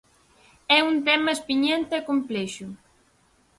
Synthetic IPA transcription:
ɛunt̪ɛmɐespiɲent̪eɛkomplɛʃʊ

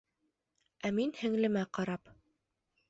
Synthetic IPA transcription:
æminhɘ̆ŋlɘ̆mæqɑɾɑp

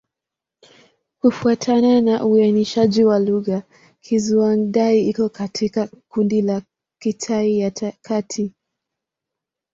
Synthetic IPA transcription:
kufuatʰananaʔuaniʃaʄiwaluɣa | kʰizuwanɗaiikɔkatʰikakundila | kitʰaijatakʰatʰi

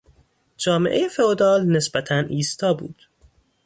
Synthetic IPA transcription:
d͡ʒɒːmeʔejefeod̪ɒːlne̞sbæt̪ʰænʔiːst̪ɒːbṵːd̪̥

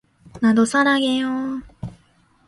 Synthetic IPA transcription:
nad̪osaɾaɡeo

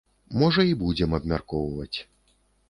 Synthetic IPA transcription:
mɔʐɐibud͡zʲɛmɐbmʲarkɔwvɐt͡sʲ

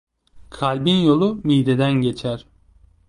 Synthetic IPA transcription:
kʰalʲbinjo̞lˠumijd̪ed̪ænɟe̞t͡ʃʰæɾ

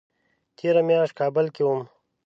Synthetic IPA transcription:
t̪ʰeːɾɐmjaːʃkaːbəlkium

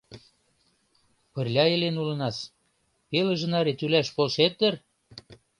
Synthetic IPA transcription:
pə̆rlʲɑelenulɤ̆nɑs | pelə̆ʒə̆nɑɾet̪ylæʃpolʃet̪̚ːə̆r

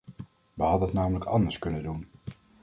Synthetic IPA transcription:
ʋəɦɑdənɑtnaːmələkɑndəɹskɵnəndun

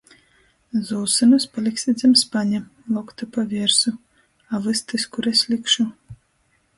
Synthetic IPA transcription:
zɔlˠsɨnuspalʲɛksʲid̪zʲɛmspanʲɛlˠɔkt̪ɨpavʲɛɾsu | avɨst̪ɨskuɾɛsʲlʲikʃu

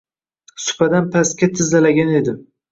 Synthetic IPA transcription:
sʊ̥pʰad̪anpʰaskʲat̪ʰɪzalaɡʲane̞d̪ɪ

